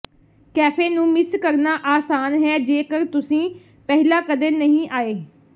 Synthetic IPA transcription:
kɛːpʰeːnũːmɪskəɾnaːʔaːsaːnɦɛːd͡ʒeːkəɾt̪ʊsĩː | pɛɦɪlaːkəd̪eːnəɦĩːʔaːeː

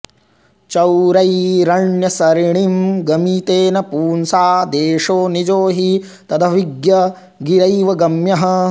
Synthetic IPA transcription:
t͡ʃɐwɾɐjɾɐɳjɐsɐɾiɳimɡɐmiːt̪eːnɐpuːnsaːd̪eːʂoːnid͡ʒoːɦi | t̪ɐd̪ʰɐʋiɡjɐ | ɡiɾɐjʋɐɡɐmjɐɦɐ̆

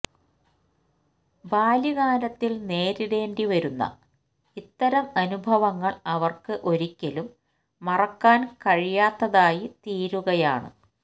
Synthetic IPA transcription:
baːliɣaːɾɐt̪ːilne̞ːɾiɾe̞ːndiʋɐɾunːɐ̰ | it̪ːɐɾɐmɐnubʱɐʋɐŋːɐɭɐʋɐrkɨʔo̞ɾikʲːɐlumː | ɐrɐkːaːnkɐɻijaːt̪ːɐðaːjit̪iːɾuɣɐjaːɳɨ̰

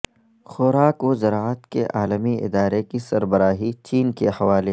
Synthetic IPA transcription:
xʊɾaːkozɐɾaːət̪kḛʔaːləmiɪ̰d̪aːɾekisɐɾbɐɾaːɦit͡ʃiːnkehɐʋaːle

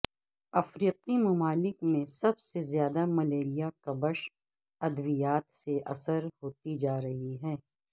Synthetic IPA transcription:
ɐfɾiːqimɐmaːlɪkmẽsɐbsezjaːd̪amɐleːɾijakɐbəʃ | ɐd̪ʋijaːt̪seʔɐsəɾhoːt̪id͡ʒaːɾɐɦiɦɛː

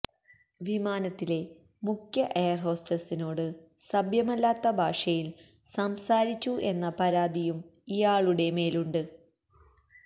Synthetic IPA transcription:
ʋimaːnɐt̪ːile̞ | mukʰjɐʔejɐrɦo̞ːstɐsino̞ːɽɨsɐbjɐmɐlːaːt̪ːɐbʱaːʂɐjil | sɐmsaːɾit͡ɕːuʔe̞nːɐpɐɾaːd̪ijumijaːɭuɽe̞me̞ːluɳɖɨ

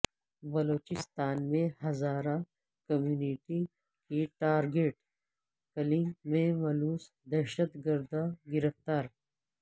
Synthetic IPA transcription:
bɐloːt͡ʃɪst̪aːnmẽhɐzaːɾa | kɐmjuːniʈi | kiʈaːɾɡeːʈ | kɐlĩŋmẽmɐluːs | d̪ɐʃət̪ɡəɾd̪aɡɪɾəft̪aːɾ

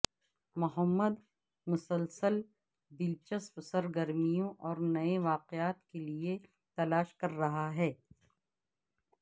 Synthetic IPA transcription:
mʊɦəmːəd̪ | mʊsəlsəl | bɪlt͡ʃəspsəɾɡəɾmijõʔɔːɾnɐeʋaːqeaːt̪kelie | t̪ɐlaːʃkɐɾːɐɦaɦɛː

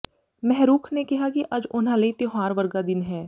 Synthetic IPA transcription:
mɛɦɾuːkʰnekiɦakiʔɐd͡ʒʊnɦãleit̪joɦaːɾʋɐɾɡad̪ɪnɦɛː

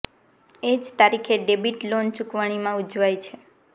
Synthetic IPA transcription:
ed͡ʒt̪aɾikʰeɖebiʈlont͡ʃukʋaɽ̃imãud͡ʒʋajt͡ʃʰe

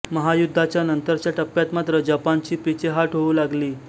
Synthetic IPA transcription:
məɦajud̪ʱːat͡ɕjanənt̪əɾt͡ɕjaʈəpːjat̪mat̪ɾəd͡ʑapant͡ɕiːpit͡ɕeɦaʈɦoʋuːlaɡliː

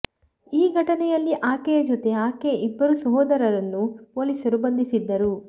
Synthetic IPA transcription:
iːɡʱɐʈɐnɛjɐlːiʔaːkejɐd͡ʒɔt̪e̞aːkeʔibːɐɾusɐɦɔːd̪ɐɾɐɾɐnːuʋolisɐɾbɐnd̪ʱisid̪ːɐɾu

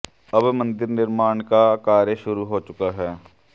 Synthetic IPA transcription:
ɐbmə̃nd̪ɪɾnɪɾmaːɳkakaːɾjəʃʊɾuɦoːt͡ʃʊkaɦɛː

